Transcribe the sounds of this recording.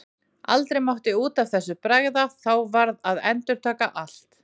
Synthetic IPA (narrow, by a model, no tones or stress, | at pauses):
a̰lt̪ɾejmawht̪ɪuːt̪av̥θɛsːʏpɾaɣðaθawvaɾðaðɛnt̪ʏɾ̥t̪ʰaːkaʔal̥t̪